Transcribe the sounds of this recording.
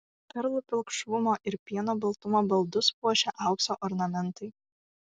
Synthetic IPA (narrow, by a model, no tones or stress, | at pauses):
pʲɛɾlˠʊpʲɪlˠkʃʋʊmoːʔɪɾpʲiɛnoːbɐlˠt̪ʊmoːbɐlˠd̪ʊspuɔʃʲɛʔɑˑʊksoːʔɔɾnɐmʲɛnˑt̪ɐɪ